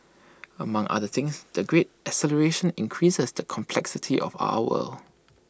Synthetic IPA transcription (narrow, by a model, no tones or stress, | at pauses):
əmãŋʔa̰dəθɪ̃ŋsdəɡɹet̚ | əsɛləɹeʃə̃nɪ̃nkʰɹisəsdəkʰɔ̃mpʰlɛksɪtʰiʔɔ̰fa̰ʊəwə̰l